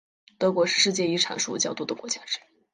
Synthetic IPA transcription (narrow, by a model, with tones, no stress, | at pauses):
t̪ɤ˧˥kwɔ˧˥ʂɻ̩˥˧ʂɻ̩˥˧t͡ɕjɛ˥˩i˥˩ʈ͡ʂʰa̰˨˥nʂṵ˥t͡ɕjɑ˥˩ʊt̪u˥˩d̪ə˩kwɔ˧˥t͡ɕja˥ʈ͡ʂɻ̩˥˩